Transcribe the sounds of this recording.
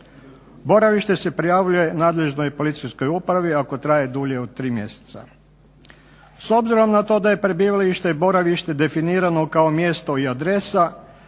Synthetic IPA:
bo̞ɾaʋiʃt̪e̞se̞pɾijaːʋʎuje̞naːd̪le̞ʒno̞jpo̞lit̪sijsko̞jupɾaʋiako̞t̪ɾaje̞d̪uʎe̞od̪̚t̪ɾiːmje̞̰se̥t̪sa̰ | so̞bziɾo̞mnat̪o̞ːd̪aje̞pɾe̞biːʋalaiʃt̪e̞bo̞ɾaʋiʃt̪e̞d̪e̞finiːɾano̞kao̞mje̞st̪o̞iad̪ɾe̞sa

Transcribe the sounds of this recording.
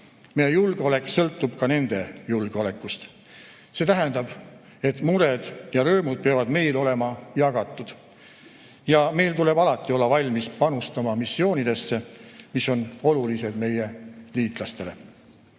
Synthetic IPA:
mejejulɡ̥eo̞le̞kːsɤlt̪ːˑub̥kɑne̞nd̪̥e̞julɡ̥eo̞le̞kːˑust̪ | se̞ːt̪æɦɛnd̪̥ɑb̥ | e̞t̪ːˑmuɾed̪̥jɑɾøːmud̪̥̚peɑvɑd̪me̞jlo̞le̞mɑjɑɡ̥ɑt̪ˑːud̪̥ | jɑme̞jlt̪ule̞bɑlɑt̪ˑːio̞lːɑvɑlʲmispɑnust̪ɑmɑmisːio̞ːnid̪̥e̞sːemiso̞no̞lulise̞d̪me̞jeliːt̪ˑlɑst̪e̞le̞

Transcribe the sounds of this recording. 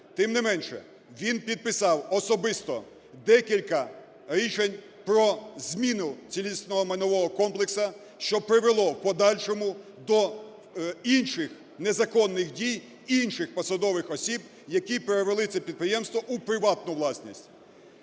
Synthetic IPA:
t̪ɪmnɪmɛnʃɛ̰ | ʋʲinpʲid̪̚pɪsɑwɔsɔbɪst̪ɔ | d̪ɛkʲilʲkɐ | ɾʲit͡ʃenʲ | pɾɔzʲmʲinʊt͡sʲilʲist̪nɔɦɔmenɔʋɔɦɔkɔmplˠeksɐ | ʃt͡ʃɔpɾɪʋelˠɔpɔd̪ɑlʲʃɔmʊd̪ɔ | inʃɪx | nezɐkɔnːɪxdʲij | inʃɪxpɔsɐd̪ɔʋɪxɔsʲib | jɐkʲipeɾeʋelˠɪt͡sʲɛpʲid̪̚pɾɪjɛmst̪ʋɔʔupɾɪʋɑt̪nʊʋlˠɑsʲnʲisʲtʲ

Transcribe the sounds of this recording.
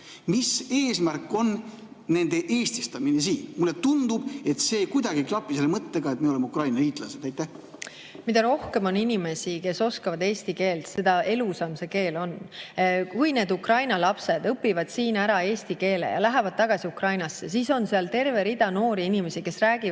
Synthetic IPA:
miseːsmærkːˑo̞nː | e̞nd̪eʔeːst̪ist̪ɑminesiːnmulːe̞t̪und̪̥ub̥e̞t̪se̞ːkujd̪ɑɡ̥iklɑpːˑiselːemɤt̪ːeɡ̥ɑet̪̚meolemukrɑjnɑliːt̪ːˑlɑsed̪̥æjt̪ːˑæh | mit̪ɑɾo̞hke̞mo̞ninime̞sike̞so̞skɑvɑd̪e̞ːst̪ike̞ːlt̪se̞d̪̥ɑe̞lusɑmse̞ke̞ːlo̞n | kujne̞ːd̪ukrɑjnɑlɑpse̞d̪̥ɤpːivɑd̪̥siːnæɾɑe̞ːst̪ike̞ːlḛjɑ̰læɦevɑd̪̥̚t̪ɑɡ̥ɑsiukrɑjnɑsːesiso̞nseɑlt̪e̞rve̞ɾid̪̥ɑno̞ːɾiinime̞sike̞sræːɡ̥i

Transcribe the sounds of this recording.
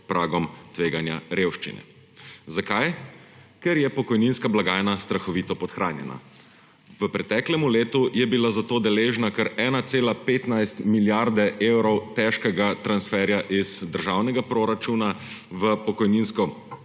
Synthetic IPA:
pɾaːɡɔmt̪ʋeːɡanja̰ɾewʃt͡ʃḭnɛ̰ | zakaj | kɛɾjɛpɔkɔjninskablaɡaːjnast̪ɾaxɔʋiːt̪ɔpɔt̪xɾaːnjɛ̰na̰ | ʋəpɾɛt̪ɛːklɛmuleːt̪ujɛbilazat̪oːd̪ɛleːʒnakəɾɛːnat̪seːlapeːt̪najst̪miljaɾd̪ɛʔewɾɔwt̪ɛʃkɛɡat̪ɾansfɛɾjaʔizd̪əɾʒawnɛɡapɾoːɾat͡ʃunaʋəpɔkɔjninskɔ

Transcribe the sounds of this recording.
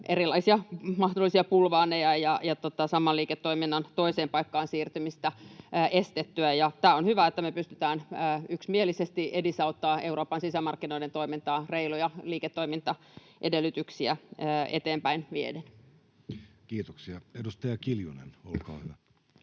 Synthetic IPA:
ʔerilːɑisiɑmɑhdolːˑisiɑpulʋɑːnejɑjɑjɑt̪ot̪ɑsɑmɑliːket̪ːoiminːɑnt̪oiseːmpɑikːɑːnsiːrt̪ymist̪æʔest̪et̪ːyæjɑt̪æːonhyʋæet̪ːæmepyst̪yt̪æːnəːyksmielisest̪iʔedisɑut̪ːɑːʔeuroːpɑnsisæmɑrkːinoident̪oimint̪ɑːreilujɑliːket̪ːoimint̪ɑ | ʔedelːyt̪yksiæːet̪eːmpæinmiḛden | kiːt̪oksiɑedust̪ɑjɑkiljṵnḛno̰l̰kɑ̰ːhyʋæ

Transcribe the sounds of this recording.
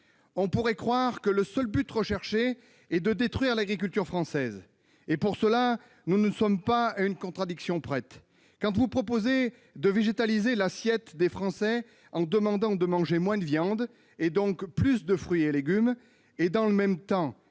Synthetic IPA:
ɔ̃puʁɛkχwaʁkələsœlbyt̪ʁəʃɛʁʃe | ɛd̪əd̪et̪χɥiʁlaɡʁik̬ʲylt̪yʁfχɑ̃sɛz | epuʁsəla | nunəsɔmpaaynkɔ̃t̪χad̪iksjɔ̃pχɛt̪ | kɑ̃t̪vupχɔpoze | d̪əveʒet̪alizelasjɛt̪d̪efχɑ̃sɛ | ɑ̃d̪əmɑ̃d̪ɑ̃d̪əmɑ̃ʒemwɛ̃d̪əvjɑ̃d̪ | ed̪ɔ̃kplysd̪əfχɥieleɡʲym | ed̪ɑ̃ləmɛmt̪ɑ̃

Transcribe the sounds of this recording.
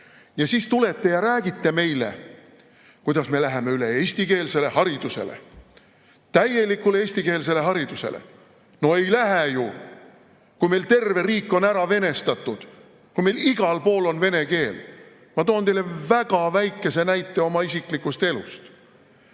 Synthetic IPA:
jɑsiːst̪ule̞t̪ːe̞jɑɾæːɡit̪ːe̞me̞jlḛ | kujd̪̥ɑsme̞læɦeme̞yle̞eːsʲt̪ike̞ːlse̞le̞hɑɾid̪̥use̞̰lḛ | t̪æje̞likːulee̞ːsʲt̪ike̞ːls̬e̞le̞hɑɾid̪̥use̞̰lḛ | no̞e̞jlæɦæju | kujme̞jlt̪e̞rve̞riːkːˑo̞næɾɑve̞ne̞st̪ɑt̪ˑːud̪̥ | kujme̞jliɡ̥ɑlpo̞ːlo̞nve̞ne̞ke̞ːl | mɑt̪oːnt̪e̞jle̞væɡ̥ɑvæjkːˑe̞se̞næjt̪ːˑe̞o̞mɑisiklikːˑust̪e̞lṵst̪

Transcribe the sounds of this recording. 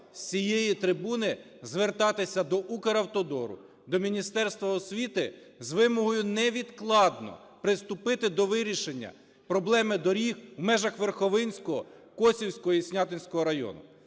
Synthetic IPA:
sʲijejit̪ɾɪbunɪ | zʋert̪ɑt̪ɪsʲɐd̪ɔʔukeɾɐwt̪ɔd̪ɔɾʊ̰ | d̪ɔmʲinʲist̪ɛrst̪ʋɐɔsʲʋʲit̪ɪ | zʋɪmɔɦɔjʊnɛʋʲid̪klˠɑd̪nɔ̰ | pɾɪst̪ʊpɪt̪ɪd̪ɔʋɪɾʲiʃenʲːɐ̰ | pɾɔblˠɛmɪd̪ɔɾʲihwmɛʒɐxʋerxɔʋɪnʲsʲkɔɦɔ̰kɔsʲiwsʲkɔɦɔisʲnʲɑt̪ɪnʲsʲkɔɦɔɾɐjɔ̰nʊ̰

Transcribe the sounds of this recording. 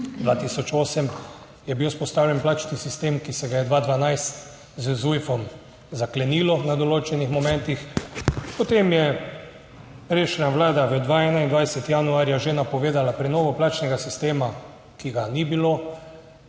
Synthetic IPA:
d̪ʋat̪isɔt͡ʃoːsəm | jɛbiwspɔst̪aːwljɛnplaːt͡ʃnisist̪eːmkisɛɡajɛd̪ʋaːd̪ʋanajst̪ | zzujfɔm | zaklɛniːlɔnad̪ɔloːt͡ʃɛnixmɔmɛ̃nt̪ixpɔt̪emjɛ | pɾeːʃnʲaʋlaːd̪aʋəd̪ʋaːɛːnaind̪ʋajsɛt̪ijanuaːɾjaʒenapɔʋeːd̪alapɾɛnɔːʋɔplaːt͡ʃnɛɡasist̪eːma | kiɡanibiloː

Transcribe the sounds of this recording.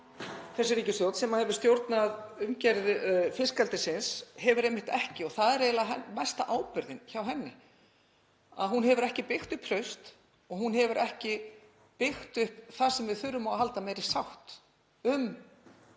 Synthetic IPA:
θɛsːɪɾiːcɪsθjowt̪sɛmahɛvʏ̥ɾst̪jowɾt̪naðʏmcɛɾðɪfɪskalt̪ɪsɪnshɛvʏɾejmɪht̪ɛhcɪɔθaðɛɾɛːlaɦɛmɛst̪aʔaːwpʏɾðɪnçawɦɛnːɪ | aðɦunɦɛvʏɾɛhcɪpɪxt̪ʏhpʰɾœɥst̪ | ɔɣɦunɦɛvʏɾʔɛhcɪ | pɪxt̪ʏhpθasɛmvɪðθʏɾːʏmawɦalt̪amɛjɾɪ̥sawht̪ | ʏm

